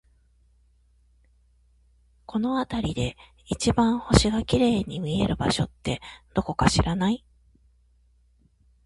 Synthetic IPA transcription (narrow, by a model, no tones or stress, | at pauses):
ko̞no̞at̪aɾʲid̪e̞ | it͡ɕibãɰ̃ho̞ɕiɡakʲiɾe̞ːɲ̟imʲie̞̰ɾɯ̟ba̰ɕo̞̰t̪ːe̞d̪̥o̞ko̞kaɕiɾanai